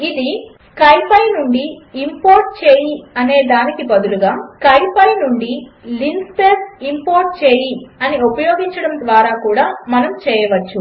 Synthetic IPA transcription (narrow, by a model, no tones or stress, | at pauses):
id̪i | kɐjpʰɐjnuɳɖiːmpoːɾʈ̚t͡ʃeːjiɐne̞ːd̪aːnikibɐd̪uluɡaːkɐjpʰɐjnuɳɖilinspeːsimpoːɾʈ̚t͡ʃeːjiɐniupɐjoːɡiɲt͡ʃɐɽɐmd̪ʋaːɾaːkuːɽaːmɐnɐmt͡ʃɛːjɐʋɐt͡ʃːu